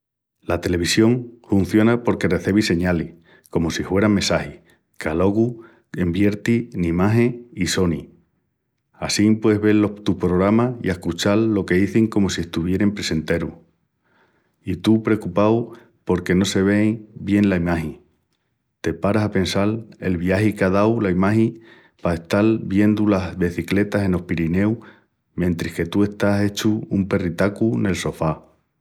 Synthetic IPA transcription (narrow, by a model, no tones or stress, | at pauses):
lat̪e̞le̞βisjo̞ŋfun̟θjo̞napo̞ɾke̞re̞θe̞β̞ise̞ɲalih | ko̞mo̞sifwe̞ɾamːe̞sahih | kalo̞ɣu | e̞mbje̞ɾt̪inimaɦẽiso̞ni | asimpweɦβe̞lot̪uhpɾo̞ɣɾamaḭahkut͡ʃalːo̞ke̞ðiθiŋko̞mo̞sie̞hst̪uβ̞je̞ɾe̞mpɾe̞se̞nt̪e̞ɾu | it̪upɾe̞kupaw | po̞ɾke̞no̞se̞β̞e̞ŋbje̞nlaimaɦi | t̪e̞paɾasape̞nsale̞̰lβjaɦikaðawlaimahi | paest̪albje̞nd̪ulazβe̞θikle̞t̪asẽ̞no̞hpiɾine̞w | mẽnt̪ɾihke̞t̪ue̞st̪ase̞t͡ʃuumpe̞rit̪akune̞lso̞fa